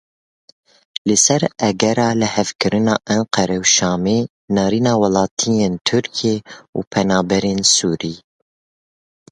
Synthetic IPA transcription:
lɨsɛɾɛɡɛɾɑːlɨhɛvkɨɾɨnɑ̰ːʔɛnqʰɛɾɛwʃɑːmeː | nɑːɾiːnɑːwɑlɑːt̪ʰijeːnt̪ʰɨɾkʰieːuːpʰɛnɑːbɛɾeːnsuːɾiː

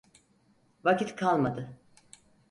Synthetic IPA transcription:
vacit̪kʰalˠmad̪ɯ

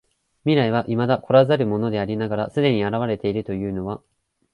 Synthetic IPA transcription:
mʲiɾaiβ̞aʔimad̪ako̞ɾazaɾɯ̟mo̞no̞d̪e̞aɾʲinaɡaɾasɨd̪e̞ɲ̟iaɾaβ̞aɾe̞t̪e̞iɾɯ̟t̪o̞jɯ̟ːno̞βa

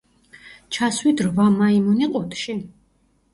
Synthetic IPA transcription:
t͡ʃʰaswid̪ɾvamaimuniqʼɔt̪ʰʃi

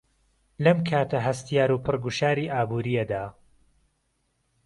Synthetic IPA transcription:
lɐmkʰaːt̪ʰɐɦɐst̪ijaːɾuːpʰɨrɡuʃaːɾiːʔaːbuːɾijɐd̪aː

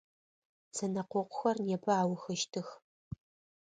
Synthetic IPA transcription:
t͡sʰɐnɐqʷɔqʷʊxɐrnjɛpʰɐaːwʊxɨʃtʰɨx

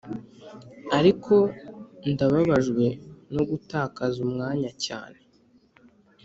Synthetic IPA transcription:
aɾikʰo̞ndaβaβaʒɡwe̞no̞ɡutaːkazumŋaːɲaca̰ːne̞

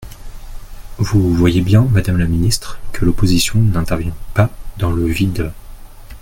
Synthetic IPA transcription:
vuvwajebjɛ̃mad̪amlaminist̪χkʰəlopozisjɔ̃nɛ̃t̪ɛʁvjɛ̃pad̪ɑ̃ləvid̪

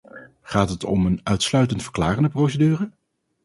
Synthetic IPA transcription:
χaːtɦətɔmənœɥtslœɥtəntfəɹklaːrəndəprowsədyːrə

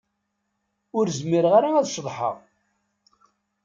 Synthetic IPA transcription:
ʊɾzmiɾʁaɾaæðʃðˤħə̰ʁ

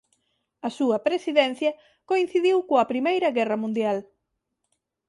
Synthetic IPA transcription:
ɐsuɐpɾesiðɛn̟θjɐ | koĩn̟θiðiwkoɐpɾimejɾɐɣɛrɐmũnd̪jal

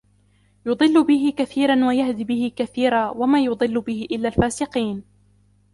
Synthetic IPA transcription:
jʊd̪ˤɨlːʊbɪɦɪkaθiːɾˤanwajahd̪ibɪhɪkaθiːɾˤaːwamaːjʊd̪ˤɨlːʊbɪhɪʔɪlːaːlfaːsɪqiːn

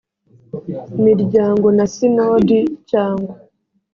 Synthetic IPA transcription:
imiɾɟaːŋɡonasinoːdicaːŋɡwa

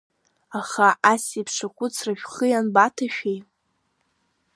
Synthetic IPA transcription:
aχaʔasipʰʂakʷʰʼʊt͡sʰraʒʷᶣχɨjanbatʰaʃʲᶣej

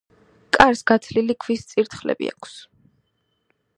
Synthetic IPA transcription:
kʼaɾsɡat̪sʰlilikʰvist̪sʼiɾt̪χlɛ̰bḭa̰kʰs

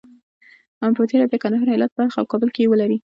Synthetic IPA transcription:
ampət̪eɾad̪əkand̪aɦɑɾɪlat̪̚baɾxa̰wkɑbəlkejewəlaɾi

